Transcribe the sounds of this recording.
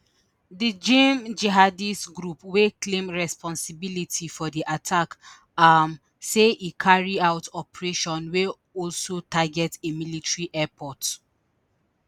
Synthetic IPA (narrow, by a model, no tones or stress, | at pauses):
did͡ʒẽmd͡ʒɛɦadistɡɹupweklẽmɹɛspʰɔ̃nsibilitʰifɔdiʔatʰak | am | seʔikʰaɹiaʊtʰɔpɹeʃɔ̃nwe | ɔlsotʰaɡɛtemilitɹiʔɛpʰɔt